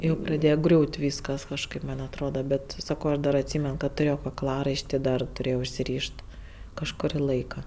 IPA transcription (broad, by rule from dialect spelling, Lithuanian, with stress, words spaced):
ˈjɛʊ prɐˈdʲeːjɛ ˈɡrʲuːtʲ ˈʋʲiːskɐs kɐʃˈkɐɪp ˈmɐnʲ ɐtˈroːdɐ ˈbʲɛt ˈsɑːkoː ˈɐʃ dɐr ɐtʲˈsʲiːmʲɛn kɐt tʊˈrʲeːjoː kɐkˈlˠɑːrɐɪʃʲtʲɪ dɐr tʊˈrʲeːjoː ʊʃʲsʲɪˈrʲiːʃt ˈkɑːʃkʊrʲɪ ˈlˠɐɪkɐ